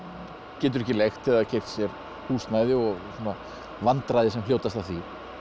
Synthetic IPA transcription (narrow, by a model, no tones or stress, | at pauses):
cɛːt̪ʏɾɛhcɪlejxt̪ɛaðacʰejɾt̪sjɛɾ | huːsnaːjðɪɔɣsuːna | vant̪ɾajðɪsɛml̥oːwt̪ast̪awθvi